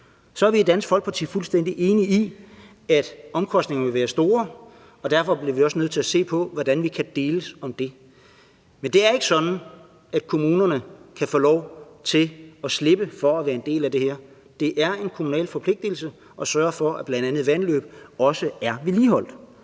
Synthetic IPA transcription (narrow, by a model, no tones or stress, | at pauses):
sɒæɐʋied̥ænsɡ̥fɒ̽l̰ɡ̥̚pʰɑt͡sʰḭːfulsd̥en̰d̥iʔe̝ːnii | æd̥ɒ̽mkʰɒ̽sd̥ne̝ŋɐʋe̝ʋæːɐsd̥o̝ːɐ | ɒ̽d̥æɐfɒ̽b̥liɐʋiɒ̽sənøð̰ˠt͡sʰe̝læse̝̰ːpʰɒ̽ʋɒd̥ænʋikʰæd̥e̝ːləsɒ̽md̥e̝ | mend̥e̝æɐe̝ɡ̥əsɒ̽d̥n̩ | æd̥̚kʰo̝muːnɐnəkʰæfɔ̰ːlɒʊt͡sʰe̝lɒsle̝b̥əfɒ̽æʋæːɐe̝nd̥e̝̰ːlæd̥e̝hæɐ | d̥e̝ʔæɐe̝nkʰomunɛ̰ːlfɒ̽pʰle̝ɡ̥̚d̥il̩sə | ʔɒ̽sɶɐɐfɒ̽æb̥lænd̥ænð̩ˠʋænlø̰ːb̥̚ɒ̽səæɐʋe̝liːɦɒ̽l̰d̥